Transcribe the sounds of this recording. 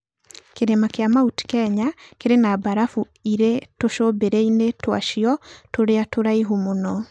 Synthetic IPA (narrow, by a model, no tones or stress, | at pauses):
keɾemakeamauti̥kɛɲakeɾenaːbaɾafu | iɾetoʃobeɾeinetwa̰ʃiɔtoɾeatoɾaiɦumonɔ